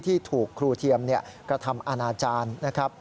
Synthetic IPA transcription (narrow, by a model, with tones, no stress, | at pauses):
t̪ʰiː˥˩t̪ʰuː˨˩kʰːɾuː˧t̪ʰi˧əmni˥˩ɐkɾa˧t̪ʰa˧mʔa˧naː˧t͡ɕaː˧nːa˦˥kʰɾa˦˥p̚